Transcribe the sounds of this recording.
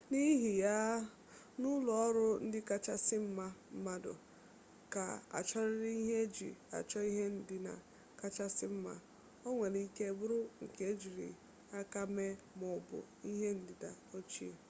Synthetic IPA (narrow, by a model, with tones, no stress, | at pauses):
ni˦ɦi˨ja˦ | nʊ˦lɔ˨ɔ˦ɾʊ˦n̩˦dɪ˦ka˦t͡ʃa˦sɪ˦m̩˦ma˦m̩˦ma˦dʊ̰˨ | ka̰˨a̰˨t͡ʃɔ˦ɾɪ˦ɾi˦i˦ɦe˦d͡ʒḭ˨a̰˨t͡ʃɔ˦i˦ɦe˦n̩˦dɪ˦na̰˨ | ka˦t͡ʃa˦sɪ˦m̩˦ma̰˦ | o˦ŋʷe˨ni˨˦ke˦˨bʊ˦ɾʊ˦ŋ̩˨ke˦d͡ʒi˨ɾḭ˨ | a˦ka˦me˦ | mʊ˨bʊ̰˨ | i˦ɦe˦n̩˦dɪ˨da˨ | o˦t͡ʃi˦˨